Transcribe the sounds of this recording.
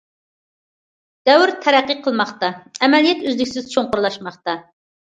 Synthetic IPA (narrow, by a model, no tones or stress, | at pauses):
d̪̥ɛwɾt̪ʰɛɾæqːiqʰəlˠmɑχt̪ɑɛmɛlijɛt̪øzlɪkʲsɪz̥t͡ʃʰoŋqʊɾlˠɑʃmɑχt̪ɑ